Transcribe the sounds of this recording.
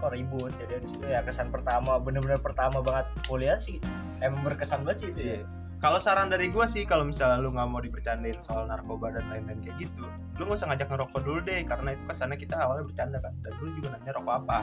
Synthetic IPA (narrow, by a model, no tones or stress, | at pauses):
kɔɾibʊt̪̚d͡ʒadiadisit̪ujakəsanpərt̪amabənərbənərpərt̪amabaŋət̪̚boliansɪh | emaŋbərkəsanbat͡ʃit̪uja | kalosaɾaŋdaɾiɡuasɪhkalomisalaluŋɡamaudipərt͡ʃandaɪnsoalnarkobadanlajnankajaɡit̪u | luŋɡasəŋad͡ʒak̚nəɾokɔduludɛhkaɾənait̪ukəsanakit̪aawalbərt͡ʃandakandanduludimanamɲaɾokoapa